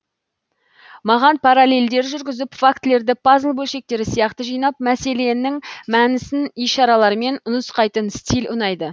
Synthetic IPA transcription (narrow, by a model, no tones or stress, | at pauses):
mɑʁɑnpʰaɾale̞ld̪e̞ɾʒʏɾɡʲɪzɪpfakt̪le̞ɾd̪ɪpʰɑzəlˠbɵlʃe̞k̚t̪e̞ɾɪsijɑqt̪əʒijnɑp̚mæse̞le̞nɪŋmænɪsɪnijʃɑɾɑlˠɑɾme̞nʊnəsqɑjt̪ənst̪ilʊnɑjd̪ə